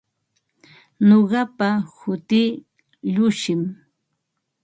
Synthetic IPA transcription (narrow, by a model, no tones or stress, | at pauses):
noɢɑpahʊt̪iː | ʎʊʃɪm